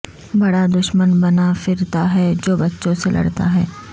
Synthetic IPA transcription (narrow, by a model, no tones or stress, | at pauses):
bɐɽad̪ʊʃmənbɐnafɪɾt̪aɦɛːd͡ʒoːbɐtːʃõselʔɐ̰ɽt̪a̰ɦɛː